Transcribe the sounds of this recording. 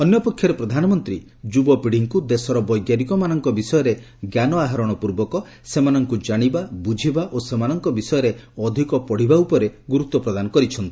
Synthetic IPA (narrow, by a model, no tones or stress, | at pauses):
ɔnjɔpɔkʰːjɔɾepɾɔd̪ʱanɔmɔnt̪ɾi | d͡ʒubɔpiɽ̤iŋkud̪esɔɾɔbɔjɡjaɾikɔmanɔŋkɔbisɔjɔɾe | ɡjanɔaɦaɾɔɽ̃ɔpuɾbɔkɔ | semanɔŋkud͡ʒaɽ̃ibabud͡ʒʱibaʔosemanɔŋkɔbisɔjɔɾeɔd̪ʱikɔpɔɽ̤ibaupɔɾeɡuɾut̪ːɔpɾɔd̪anɔkɔɾit͡ʃʰɔnt̪ii